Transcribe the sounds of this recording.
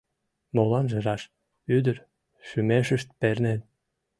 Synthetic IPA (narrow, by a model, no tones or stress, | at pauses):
molɑnʒə̆ɾɑʃ | yd̪əɾ | ʃymeʃəʃt̪̚pernen